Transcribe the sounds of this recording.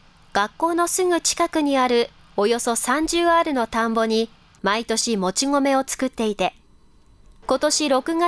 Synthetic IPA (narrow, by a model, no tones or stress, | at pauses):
ɡ̥akːo̞ːno̞sɨŋɯ̟t͡ɕi̥kakɯ̟ɲ̟iaɾɯ̟ | o̞jo̞so̞sãɲ̟d͡ʑɨːaɾɯ̟no̞t̪ãmbo̞ɲ̟i | mait̪o̞ɕimo̞t͡ɕiŋo̞me̞o̞t͡sɨ̥kɯ̟t̪ːe̞it̪e̞ | ko̞t̪o̞ɕiɾo̞kɯ̟ɡa